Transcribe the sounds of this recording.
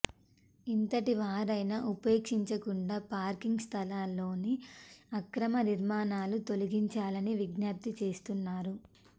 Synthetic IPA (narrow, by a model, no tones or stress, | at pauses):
int̪ɐʈiʋaːɾɐjnɐʔupe̞ːkʂiɲt͡ʃɐkuɳɖaːpaːɾkiŋɡst̪ʰɐlaːlo̞ːniɐkɾɐmɐniɾmaːnaːlut̪o̞liɡiɲt͡ʃaːlɐniʋiɡnjaːp̚t̪it͡ʃe̞ːst̪unːaːɾu